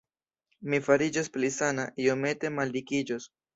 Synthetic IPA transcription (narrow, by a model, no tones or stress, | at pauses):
mifaɾid͡ʒasplisanaʔiome̞te̞maldikid͡ʒos